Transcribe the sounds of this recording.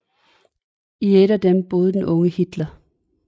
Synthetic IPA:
ieɾ̥æd̥emb̥o̝ːð̞ˠəd̥enʔɔ̽ŋəhid̥lɐ

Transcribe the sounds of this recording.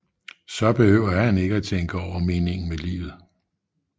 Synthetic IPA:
sɒ̽b̥e̝høʊ̰ɐhæne̝ɡ̥əæt͡sʰeŋɡ̥əɒʊ̰ɐme̝ːne̝ŋn̩melḭːʋð̩ˠ

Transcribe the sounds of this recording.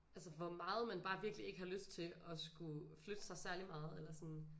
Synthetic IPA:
ælsəʋɒmɑ̈ːð̞̩ˠmænb̥ɑ̈ːʋiɐɡ̥lie̝ɡ̥əhɑ̈løsd̥̚t͡sʰe̝ʔɒ̽sɡ̥uflød̥əsɑ̈ɪsæɐlimɑ̈ːð̞̩ˠelɐsɒ̽n

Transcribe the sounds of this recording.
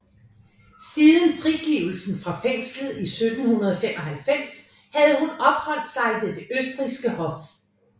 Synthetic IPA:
siːðˠən̩fʁiɡ̥iːʊl̩sn̩fʁɑ̈feŋ̰slð̩ˠisød̥n̩hunɐð̞ˠɒfem̰ʔɒ̽ɦælfem̰s | hæð̞ˠhunɒ̽b̥hɒ̽l̰d̥sɑ̈ɪʋe̝d̥e̝ʔøsd̥ʁisɡ̥əhɒ̽f

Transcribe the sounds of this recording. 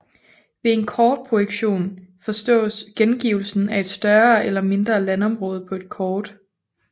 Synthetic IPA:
ʋe̝e̝nkʰɒːd̥̚pʰʁo̝eɡ̥ɕo̝̰ːnfɒ̽sd̥ɔ̰̽ːsɡ̥enɡ̥iːʊl̩sn̩æe̝d̥sd̥ɶɐːelɐme̝nd̥ʁɐːlænɒ̽mʁɔːð̞̩ˠpʰɒ̽e̝d̥̚kʰɒːd̥

